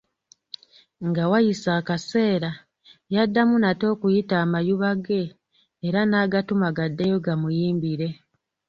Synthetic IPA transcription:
ŋɡawajisaːkase̞ːɾa | jadːamunato̞ːkujitaːmajuβaɡe̞ː | ɾanaːɡatumaɡadːejo̞ɡamujiːmbiɾe̞

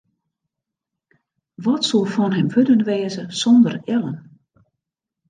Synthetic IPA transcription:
ʋɔtsolˠfɔnɦɛmʋøtənʋeːzəsɔndərɪlˠən

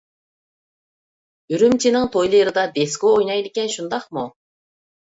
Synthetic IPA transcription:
yɾymt͡ʃʰinɪŋt̪ʰojlˠɨɾɨd̪ɑd̪eskoojnɑjd̪ɪkʲɛnʃund̪ɑqmu

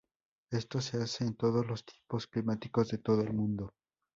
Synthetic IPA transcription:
e̞st̪o̞se̞ase̞ːnt̪o̞ð̞o̞zlo̞st̪jepo̞sklimat̪iko̞zðe̞t̪o̞ðo̞elmũnd̪o̞

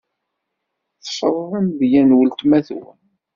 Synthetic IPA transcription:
θʃɾˤənðjænwəlt̪mæθw

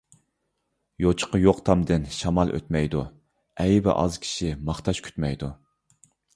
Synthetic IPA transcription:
jot͡ʃʰə̥qəjoqt̪ʰɑmd̪ɨnʃɑmɑlˠʔø̰t̪mɛjd̪u | ɛjbɛ̰ʔɑ̰zkʲʰi̥ʃimɑχt̪ʰɑʃkʲʰy̥t̪mɛjd̪u

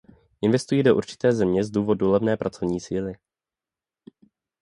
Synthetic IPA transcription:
ʔɪnvɛst̪ujiːdo̞ʔṵɾt͡ʃɪ̥t̪ɛːzɛmɲɛzduːvo̞dulɛvnɛːpɾʔat͡so̞vɲiːsiːlɪ

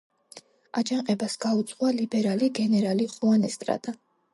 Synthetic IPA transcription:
ad͡ʒaŋqʼɛbasɡaut̪sʼqʼwalibɛɾaliɡɛnɛɾaliχʼuanɛst̪ʼɾa̰d̪ʼa

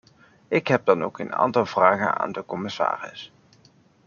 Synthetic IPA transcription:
ɪkɦɛb̚dɑnowkəna̰ːntɑlˠvraːχəna̰ːndəkɔmɪsa̰ːrɪ̰s

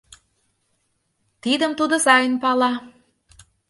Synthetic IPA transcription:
t̪id̪əmt̪ud̪ɤ̆sɑjənpɑlɑ

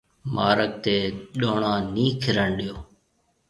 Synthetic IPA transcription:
mʔaːɾək̚t̪eːɗoːɳãːnĩːkʰɪɾəɳɗɪjoː

